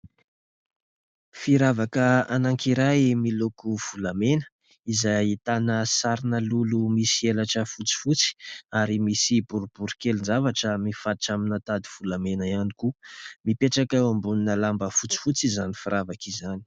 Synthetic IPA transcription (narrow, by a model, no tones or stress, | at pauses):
fiɾavakəanaŋkiɾajmilokuv̥ulamenə̥ | izajit̪anəsaɾinəlulumisielaʈ͡ʂəfut͡si̥fut͡si̥aɾimisibuɾub̥uɾikelind͡zavaʈ͡ʂəmifaʈ͡ʂaminət̪ad̪iv̥ulamenəianikumipeʈ͡ʂakawambuninəlambəfut͡si̥fut͡sizanifiɾʔavakizani̥